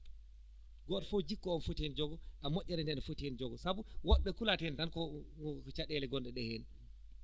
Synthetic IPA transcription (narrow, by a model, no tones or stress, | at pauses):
ɡɔtfod͡ʒikːɔɔnfotiɛnd͡ʒɔɡɔʔamoʔʲːɛɾɛndɛnafotiɛnd͡ʒɔɡɔsabuwɔɓːɛkulatɛntankɔkɔt͡ʃaɗɛlɛɡɔnɗɛɗɛheːni